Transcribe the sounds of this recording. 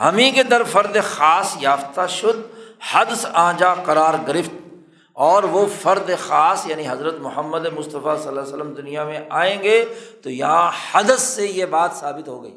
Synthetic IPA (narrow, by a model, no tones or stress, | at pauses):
ɦɐmĩked̪ɐɾfɐɾd̪exaːsjaːft̪aʃʊd̪hɐd̪sãːd͡ʒaqɐɾaːɾɡɪɾɪft̪̚ | ɔːɾʋofɐɾd̪exaːsjaːniɦɐzɾət̪mʊɦəmːəd̪emʊst̪əfasɐlːasələmd̪ʊnijamẽʔaːẽːɡeːt̪ojɐɦãhɐd̪əsːejebaːt̪saːbɪt̪ɦoɡɐḭː